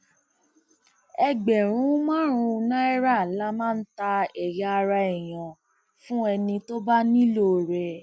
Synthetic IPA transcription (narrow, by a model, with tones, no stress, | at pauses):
ɛ˧ɡ͡bɛ˨ɾ̃ũ˨˦mã˦ɾ̃ũ˧nã˦ɛ˦ɾa˦˨la˦mãː˦˧n̩˦ta˧ɛ˨ja˨˧a˧ɾa˧i˨j̃ã˨ | fũ˦ɛ˧nĩ˧to˦ba˦nĩ˦lo˦˨ɾɛ˨